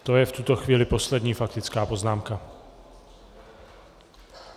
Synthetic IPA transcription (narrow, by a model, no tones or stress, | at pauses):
t̪ojɛft̪ut̪oxviːlɪposlɛd̪ɲiːfak̚t̪ɪt͡skaːpo̞znaːmka